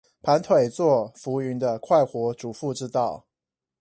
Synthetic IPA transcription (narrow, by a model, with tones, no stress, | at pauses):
pʰa˧˦˥nt̪ʰwe˨˩ɪt͡swɔ˥˨fu˧˥y˧˥nd̪ə˧kʰwa˥˩ɪxwɔ˧˥ʈ͡ʂu˨˩fu˥˧ʈ͡ʂɻ̩˥t̪ɑ˥˩ʊ